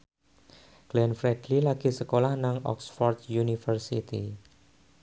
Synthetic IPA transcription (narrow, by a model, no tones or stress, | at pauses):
ɡ̥lɛnfɾɛd̥lilaɡ̥isəkolahnaŋɔ̰ksfɔrt̪junifərsit̪ḭ